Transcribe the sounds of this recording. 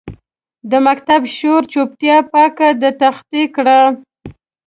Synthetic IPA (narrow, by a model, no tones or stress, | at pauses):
d̪əmakt̪abʃoɾt͡ʃop̚t̪jɑpɑkad̪ət̪axt̪ikɽa